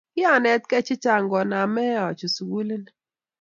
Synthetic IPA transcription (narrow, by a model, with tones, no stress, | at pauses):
i˦a˦˨nɛ˨˦t̚kɛ˦t͡ʃi˦t͡ʃa˦˨ŋ˨ɡɔ˨na˨mɛ˦a˨t͡ʃu˨su˨wu˦li˦nɛ˨